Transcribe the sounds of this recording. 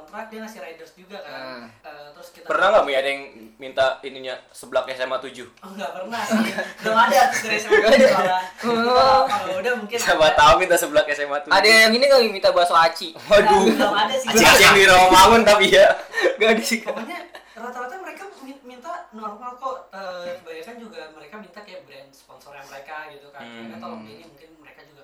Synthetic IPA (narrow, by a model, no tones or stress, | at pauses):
t̪ɾat̪̚daŋasɪrajdərsd͡ʒuɡa | t̪ɾʊsiapərnaŋɡaʔmuadajaŋmint̪ainiɲasəbəlakjasemat̪ud͡ʒʊhŋɡapərnaɡaadasɡaadaaə | udamuŋkɪsamat̪aunmint̪asəbəlakjasemat̪uadajaŋiniŋamint̪abaasaat͡ʃiauaadasɪaat͡ʃindiɾamamamʊnt̪apijaɡadasikamaɲaɾat̪aɾat̪aməɾekasmimint̪anuaŋkalakoəbaɾakand͡ʒuɡaməɾekamint̪akajabəɾanspɔnsɔrjaŋməɾekaɡit̪ukanat̪olɔŋbeɾimuŋkɪnməɾekad͡ʒuɡa